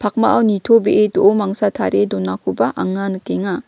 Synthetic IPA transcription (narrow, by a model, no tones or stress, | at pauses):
pʰak̚maʔawnitʰobeʔedoʔomaŋsatʰa̰ɾedɔnakʰubaʔaŋankeŋa